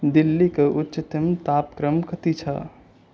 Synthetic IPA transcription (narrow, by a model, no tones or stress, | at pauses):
d̪ilːikeʔutːʃət̪əmt̪apkɾəmkət̪it͡ʃʰɐ̰